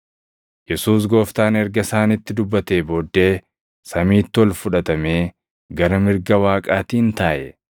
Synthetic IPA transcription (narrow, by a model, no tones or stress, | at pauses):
jɛsuːs̬ɡo̞ːft̪aːnɛɾɡɐsaːnɪt̪ːɪd̪ʊbːɐt̪eːbo̞ːd̪ːe̞ː | sɐmiːt̪ːɪɔlfʊᶑɐt̪ɐme̞ː | ɡɐɾɐmɪɾɡɐwaːkʼaːt̪iːnt̪aːʔɛ